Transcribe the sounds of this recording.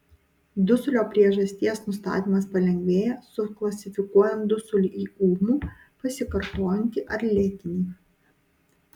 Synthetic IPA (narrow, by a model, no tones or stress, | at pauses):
d̪ʊsʊlʲoːpʲɾʲiɛʒɐsʲt̪ʲiɛsnʊst̪ɑ̰ːt̪ʲiːmɐspɐlʲɛŋʲɡʲʋʲeːjɛsʊklˠɐsʲɪfʲɪkuɔjɛnd̪ʊsʊlʲʊiːuːmuː | pɐsʲɪkɐɾt̪oːjɛnʲt̪ʲɪʔɐɾʲlʲeːt̪ʲɪnʲiː